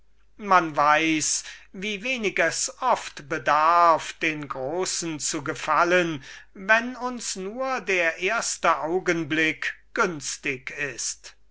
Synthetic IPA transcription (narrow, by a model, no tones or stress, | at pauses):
manvaɪsviːveːnɪkɛsɔftbədaɐfd̥eːnɡʁoːsn̩t͡suɡəfalənvɛnʊnsnuːɐdeːɐʔeːɐstəʔaʊɡənblɪkɡ̥ʏnstɪkʰɪst